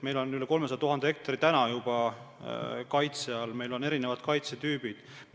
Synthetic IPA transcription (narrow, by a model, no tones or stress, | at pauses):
me̞jlo̞nyleko̞lmes̬ɑjɑt̪uɦɑnd̪eek̚t̪ɑɾit̪ænɑjub̥ɑ | kɑjt̪seɑlme̞jlo̞ne̞ɾine̞vɑd̪̥kɑjt̪set̪yːb̥id̪̥